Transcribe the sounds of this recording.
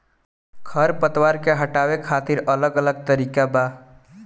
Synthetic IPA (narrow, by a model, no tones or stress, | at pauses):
kʰəɾpət̪waːɾkeɦəʈaːwekʰaːt̪ɪɾələɡələɡ̚t̪əɾiːkabaː